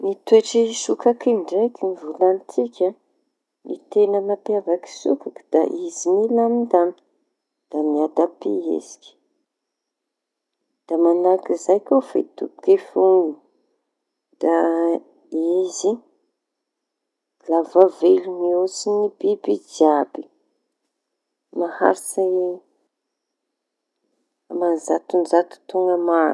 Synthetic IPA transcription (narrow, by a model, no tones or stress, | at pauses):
mit̪ueʈ͡ʂisukakiɳɖ͡ʐekinivulant͡sikʲə | nʔḭt̪enənapiavaki̥sṵkaki̥d̪̥a̰ʔizimilamind̪an | d̪̥amiad̪apḛḛzi̥kʲi̥ | d̪̥amanakizajkofḛt̪ṵpu̥kefuŋɡu | d̪̥a | izi | lavavelumiosinibibid͡ʒiabi̥ | naha̰ɾsa | amanzat̪unzat̪u̥t̪uŋɡəma